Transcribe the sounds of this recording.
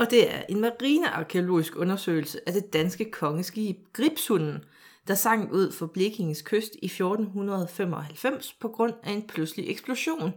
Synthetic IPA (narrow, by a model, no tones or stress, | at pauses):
ɒ̽d̥e̝æɐʔe̝nmɑʁiːnəʔɑ̈kʰeo̝lo̝̰ːisɡ̥ɔ̽nɐsø̰ɪl̩səʔæd̥e̝d̥ænsɡ̥əkʰɒ̽ŋəsɡ̥ib̥ɡ̥ʁib̥shunn̩ | d̥ɑ̈sɑ̈ŋ̰duð̞̰ˠfɒ̽b̥le̝ɡ̥e̝ŋskʰøsd̥ifjo̝ːd̥n̩ɦunɐð̞ˠfem̰ɒ̽hælfem̰spʰɒ̽ɡ̥ʁɔ̽n̰æe̝npʰlusliʔeɡ̥sb̥lo̝ɕo̝̰ːn